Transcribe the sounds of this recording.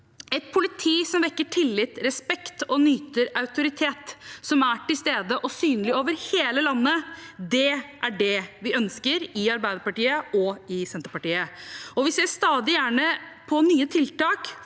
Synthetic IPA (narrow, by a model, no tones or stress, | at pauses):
ɛt̪̚pʰʊlɪt̪ʰiːsɔmʋɛkːəʈʰɪlːɪt̪ɾɛspɛkt̪ɔnyːt̪əɾɑʉt̪ʊɾɪt̪ʰeːt̪sɔmæʈɪlst̪eːd̪əʔɔsyːnəlɪoːʋəɾheːləlɑnːəd̪ɛʔæɖɛʋɪœnskəɾɪɑɾbæɪd̪əɾpɑʈiːəɔɪsɛnt̪ɾpɑʈiːəɔʋɪsæst̪ɑːd̪ɪjæːɳəpʰɔnyːət̪ʰɪlt̪ɑːk